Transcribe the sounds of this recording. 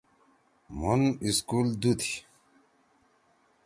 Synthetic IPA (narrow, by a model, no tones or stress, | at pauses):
muniskuld̪ut̪ʰi̥